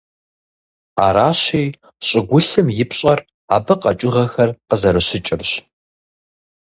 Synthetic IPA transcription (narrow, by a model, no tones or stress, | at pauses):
a̰ːɾaːɕeːj | ɕʼɪɡʷʊɬɨmjɪpɕʼɐr | a̰ːbɐqɐ̰t͡ʃʼʊʁɐxɐrqəzɐɾɨɕɪt͡ʃʼɪrɕ